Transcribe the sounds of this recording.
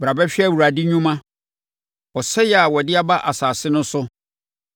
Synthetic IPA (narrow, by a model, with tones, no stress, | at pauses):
bɾa˨bɛ˦ɕᶣɛ˦˨wu˨ɾa˨di˦ɲᶣũ˦mã˦ | ɔ˨sɛ˦jɛ˨a˨wɔ˨dɪ˦a˦ba˦ʔa˨saː˨sɪ˦nʊ̃˦sʊ˦